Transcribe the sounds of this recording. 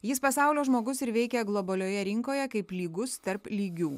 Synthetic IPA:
jɪspɐsɑˑʊlʲoːʒmoːɡʊsɪɾʋʲɛɪkʲɛɡlˠɔbɐlʲoːjɛɾʲɪŋkoːjɛkɐɪplʲiːɡʊst̪ɐɾplʲiːɡʲuː

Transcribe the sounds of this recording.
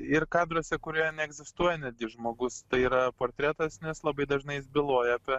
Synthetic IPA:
ɪrkɑːd̪ɾoːsʲɛkʊɾʲuːnʲɛɛɡzʲɪst̪uɔjɛnʲɛd̪̚ɡʲɪʒmoːɡʊst̪ɐɪiːɾɐpoːɾʲt̪ʲɾʲæːt̪ɐsnʲɛslˠɐbɐɪd̪ɐʒnɐɪjɪsbʲɪlˠoɔjɛɐpʲɛ

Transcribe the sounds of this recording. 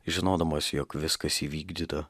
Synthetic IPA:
ʒʲɪnoːd̪ɐmoːsʲjoːkʋʲɪskɐsiːʋʲiːɡd̪ʲiːt̪ɐ

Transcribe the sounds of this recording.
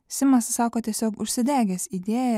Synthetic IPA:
sʲɪmɐssɑːkoːt̪ʲiɛsʲoːkʊʃʲsʲɪd̪ʲæːɡʲɛsid̪ʲeːjɛ

